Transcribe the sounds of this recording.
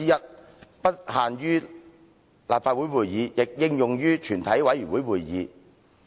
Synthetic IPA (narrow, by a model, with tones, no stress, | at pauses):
iː˥jɐ˥t̚ | pɐ˥t̚haː˨nɥyː˥ | laː˨pfaː˧t̚wu˨˥jwuː˨˩jjiː˨˧jɪ˨k̚jɪ˥˧ŋjʊ˨ŋjyː˥t͡ʃʰyː˨˩nt̪ʰɐ˨˥jwɐ˨˥jjyː˨˩nwuː˨˦˥jwuː˨˩jjḭː˨˧